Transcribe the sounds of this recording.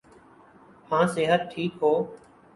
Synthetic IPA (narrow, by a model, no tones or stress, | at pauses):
hãːseːɦət̪̚ʈʰiːkɦoː